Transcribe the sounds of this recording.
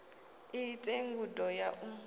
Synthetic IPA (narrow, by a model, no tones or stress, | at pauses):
itʼeŋɡudɔjaʔu